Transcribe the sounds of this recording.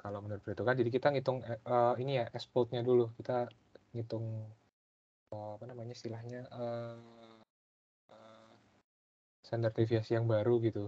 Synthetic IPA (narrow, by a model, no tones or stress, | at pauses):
kalowmənuɾʊt̪pɾit̪ukand͡ʒadik̬it̪aŋit̪ʊŋəinijaʔɛspɔlt̪̚ɲadulukit̪a | ŋit̪ʊŋ | əapanamaɲaist̪ilahɲaʔəː | ə | sɛnd̪ərt̪ifiasijaŋbaɾuɡit̪u